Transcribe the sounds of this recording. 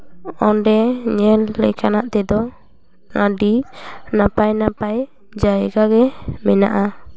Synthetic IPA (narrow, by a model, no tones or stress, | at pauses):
ɔnɖɛɲɛlːɛ̰kanaʔt̪ɛd̪ɔ | ŋaɖinapajnapaj | d͡ʒajɛɡaɡɛmɛna̰ʔa